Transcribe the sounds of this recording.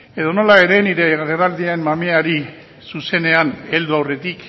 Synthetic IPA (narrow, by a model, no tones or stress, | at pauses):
e̞ðo̞no̞lae̞ɾe̞niɾe̞ɣeɾerald̪ianmameaɾi | suse̞ne̞ane̞ld̪uawre̞t̪ik